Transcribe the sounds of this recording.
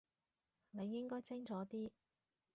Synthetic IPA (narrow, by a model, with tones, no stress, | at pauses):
ne˨˧jːɪ˥ŋkɔː˥jt͡sɪ˥ŋt͡sɔː˨˥t̪iː˥